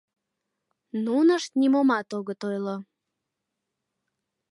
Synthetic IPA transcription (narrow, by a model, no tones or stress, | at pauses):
nunəʃt̪nimomɑt̪oɣət̪ojlo